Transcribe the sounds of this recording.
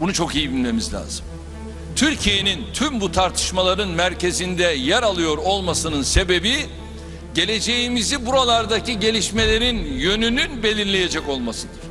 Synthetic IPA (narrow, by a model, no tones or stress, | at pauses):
bunut͡ʃʰo̞kijibilʲme̞mizlʲa̰ːzɯm | t̪ʰyɾcʰije̞nint̪ʰymbut̪ʰaɾt̪ʰɯ̥ʃmalˠaɾɯnmæɾcʰe̞zind̪ɛjæɾalˠɯjo̞ɾo̞lˠmasɯnɯnse̞be̞bi | ɟe̞lʲe̞d͡ʒe̞jimizibuɾalˠaɾd̪aciɟe̞lʲiʃme̞lʲe̞ɾinjø̞nynynbe̞lʲiɾlʲe̞je̞d͡ʒɛco̞lˠmasɯd̪ɯɾ̥